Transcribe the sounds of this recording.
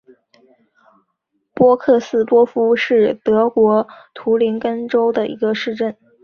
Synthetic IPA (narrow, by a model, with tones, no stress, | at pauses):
pwɔ˥kʰɤ˥˩sɹ̩˥˩pwɔ˥fu˥ʂɻ̩˥˩t̪ɤ˧˥kwɔ˧˥t̪ʰu˧˥li˧˥nkə˥nʈ͡ʂo˥ʊd̪ə˨ʔḭ˧˥ɡə˧ʂɻ̩˥˧ʈ͡ʂə˥˩n